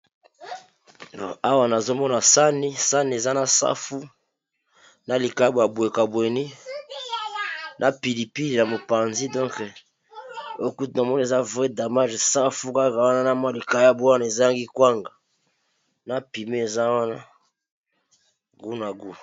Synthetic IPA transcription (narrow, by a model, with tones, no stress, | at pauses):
o˨a˦wa˦na˨zo˦mɔ˦na˨sa˦ni˦sa˦ni˨e˨za˦na˨sa̰˦fu˦ | na˨li˨ka˨˦a˦bwa˨bwe˨ka˨bwe˨ni˦ | nʔa˨pi˨li˨pi˦li˨na˨mo˨pa˨nzi˦dɔ̃˦ŋk | o˦ku˦tna˨mɔ˦nie˨za˦vʁɛ˦da˨ma˦ʒsa˦fu˦ka˦ka˨wa˦na˦na˦ma˦li˨ka˨ja˦bu˦a˦na˨e˨za˦ja˦ŋɡi˦kwa˦ŋɡa˨ | na˦pi˨me˦e˨za˦wa˦na˦ | ɡu˦na˨ɡu˦